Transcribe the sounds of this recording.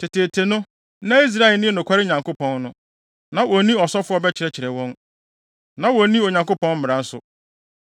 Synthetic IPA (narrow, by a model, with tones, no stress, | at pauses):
tʰɪ˨tʰe˨tʰe˨nʊ̃˦ | nã˦i˦s̬ɾa˦ɛ˨lnɪ̃˦nʊ̃˨kʷʰa˦ɾɪ˦ɲã˨ŋko˦pʰɔ̃˦nnʊ̃˦ | nã˨wɔ˨˦nĩ˦ɔ˨sɔ˦fʊ˦ɔ˦bɛ˦t͡ɕʰɪ˨ɾɛ˦t͡ɕʰɪ˨ɾɛ˨wɔ̃˦n | nã˨wɔ˨˦nĩ˦o˨ɲã˨ŋko˦pɔ̃˦nm̩˦m˨ɾã˨n̩˦sʊ˨